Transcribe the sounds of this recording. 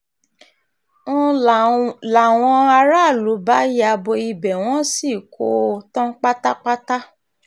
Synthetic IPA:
ñ̩˦ | la˨w̃ɔ̃˧a˧ɾa˦˨lu˨˦ba˦ja˧˨bo˧i˧bɛ˨w̃ɔ̃˦si˦˨ko˦˧tã˦k͡pa˦ta˦k͡pa˦ta˦

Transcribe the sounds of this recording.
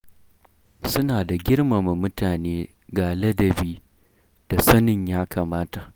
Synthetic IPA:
sʊ˦naː˨da˨ɡʲɪ˦ɽma˨ma˨mʊ˦taː˨neː˦ | ɡaː˨lɐ˦dɐ˨biː˦ | d̥a˨sɐ˦nɪ˨ɲjaː˦kʰaː˨maː˦ta˨ʔ

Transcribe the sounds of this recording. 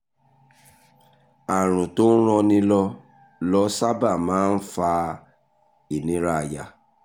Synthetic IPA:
a˨ɾ̃ũ˨to˦ɾ̃ɔ̃˧nĩ˧lɔ˧ | lɔ˦sa˦ba˦˨mãː˨˦n̩˦fa˧ | i˨nĩ˨˦ɾa˦˨ja˨

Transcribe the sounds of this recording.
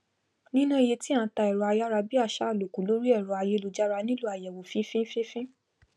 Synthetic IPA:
nĩ˦nã˦i˨je˧ti˦ã˨˧˦ta˧ɛ˨ɾɔ˨˧a˧ja˦ɾa˧bi˦a˦˧˨ʃa˦˨lo˨ku˨˦lo˦ɾi˦ɛ˦˨ɾɔ˨˧a˧je˦lo˧d͡ʒa˦ɾa˧nĩ˦lo˦a˨jɛ˨wo˨˦fĩ˦fĩ˦fĩ˦fĩ˦

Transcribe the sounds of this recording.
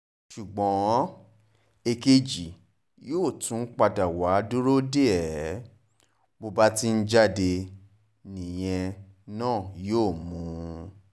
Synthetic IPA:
ʃu˨ɡ͡bɔ̃˨˦ | e˧ke˧d͡ʒi˨ | joː˦˨tũ˨˦k͡pa˧da˨wa˨˦du˦ɾo˦de˦ɛ˨˦ | bo˧ba˦ti˦n̩˦d͡ʒa˦˨de˧ | nĩ˨j̃ɛ̃˧ | nãː˦˨joː˦˨mũ˨˦

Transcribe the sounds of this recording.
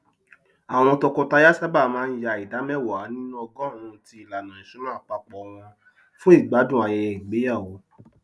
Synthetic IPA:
a˨w̃ɔ̃˧ɾ̃ɔ̃˧tɔ˧kɔ˧ta˧˦ja˦sa˦ba˦˨mãː˦˧n̩˦ja˧˨i˨da˨˦mɛ˦˨wɔ˨a˨˦nĩ˦nũ˦ɔ˧ɡɔ̃˦˨ɾũ˨˧˨ti˧˦i˨la˨nã˨ĩ˨ʃũ˨˦ã˦a˦˨k͡pa˧k͡pɔ˨˧w̃ɔ̃˧ | fũ˦i˦˨ɡ͡ba˨˦dũ˦˨a˨j̃ɛ̃˧˨ɡ͡be˨˦a˦˨wo˨˦

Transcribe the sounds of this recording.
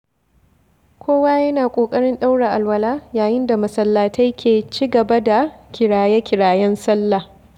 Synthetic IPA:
kʷʰoː˦waː˦jɐ˦naː˨kʷʼoː˨kʼɐ˦ɽɪ˦nɗa˦wɽe˨ʔa˨lwɐ˨laː˦jaː˨jɪ˦nda˨mɐ˨sɐ˦lːaː˨tɐ˦jkʲʰeː˨t͡ʃiː˦ɡɐ˨ba˦da˨kʲɪ˨ɽaː˨jɛ˦kʲɪ˨ɽaː˨jɛ˦nsɐ˦lːaː˨

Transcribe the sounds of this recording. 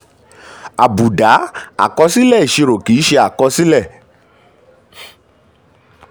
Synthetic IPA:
a˨bu˨da˨˦a̰˨kɔ˧˦si˦lɛ˦˨i˨ʃe˧ɾo˨ki˨˦ʃe˧a˨kɔ˧si˦lɛ˦˨

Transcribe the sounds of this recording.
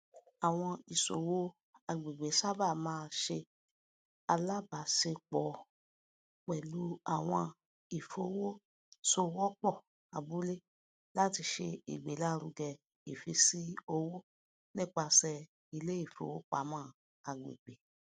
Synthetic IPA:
a˨w̃ɔ̃˧i˨so̰˨wo˦ | a˧ɡ͡be˨ɡ͡be˨˦sa˦ba˦˨mãː˦˧ʃe˧ | a˧la˦ba˨˦se˧k͡pɔ˨˦ | k͡pɛ˨lu˨˦a˦˨w̃ɔ̃˧ | i˨fo˧˦wo˦ | so˦wɔ˦k͡pɔ˦˨ | a˨bu˨˦le˦ | la˦ti˧ʃe˧ḭ˨ɡ͡be˨˦la˦˧ɾu˧ɡɛ˧ | i˨fi˧si˦o˧wo˦ | nĩ˦k͡pa˧sɛ˧ | i˧le˦i˦˨fo̰˧˦wo˦k͡pa˨˦mãː˦˧ | a˧ɡ͡bḛ˨ɡ͡be˨

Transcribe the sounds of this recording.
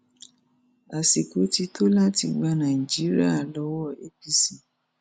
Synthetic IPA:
a˨si˨ko˨˦ti˧tʰo˦la˦ti˧ɡ͡ba˧nã˨i˨d͡ʒi˨˦ɾi˦a˦˨lɔ˧˦wɔ˦˨e˦pi˦˨si˨

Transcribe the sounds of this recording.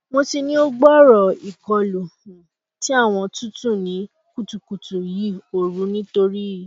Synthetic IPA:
mo˧ti˧nĩ˦o˦ɡ͡bɔ˦ɾɔ˨i˨kɔ˧˨lo˨hũ˨ | ti˦a˦˨w̃ɔ̃˧tu˦tũ˦˨nĩ˨˦ | ku˦˨tu˨ku˨tu˨ji˦o˨ɾu˨˦nĩ˦to˧ɾi˦˨

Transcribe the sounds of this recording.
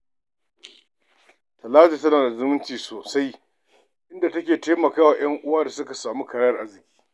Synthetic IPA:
tɐ˨laː˦zi˨tɐ˦naː˨da˨zʊ˦mʊ˦nt͡ʃiː˨soː˨sa˦j | ʔɪ˦nda˨tɐ˦kʲeː˨teː˦mɐ˨kaː˦waː˨j̰ɐ˦ŋʔʊ˦waː˦da˨sʊ˦ka˨saː˨mu˦kɐ˨ɽa˦jɐ˨rʔa˦rzɪ˨kʲi̥ː˦

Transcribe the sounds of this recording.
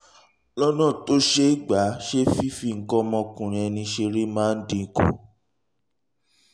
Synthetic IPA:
lɔ˦nã˦˨to˦ʃe˦i˦ɡ͡ba˨˦ʃe˦fi˦fi˦˨ŋ̩˨kɔ˦mɔ̃˧kũ˨ɾ̃ĩ˧ɛ˧nĩ˧ʃe˧ɾe˦mãː˦n̩˦dĩ˧˦ko̰˨

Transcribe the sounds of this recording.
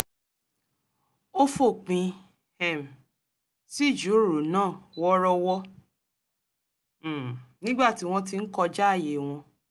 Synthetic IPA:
o˦fo˦˨k͡pĩ˧ | hɛ˨m˨ | si˦˨d͡ʒu˨˦ɾu˨nãː˦˨wɔ˦ɾɔ˧wɔ˦˨ | nĩ˦ɡ͡ba˦˨ti˨˦w̃ɔ̃˧t̬i˧n̩˦kɔ˧d͡ʒa˦a˦˨je˨w̃ɔ̃˧

